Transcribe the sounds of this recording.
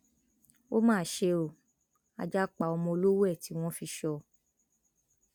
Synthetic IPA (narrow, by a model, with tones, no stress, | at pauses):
o˦mãː˦˨ʃe˧o˨ | a̰˧d͡ʒa˦k͡pa˧˨ɔ˧mɔ̃˧o˧lo˦wo˦ɛ˦˨ti˨˦w̃ɔ̃˦fi˧ʃɔ˧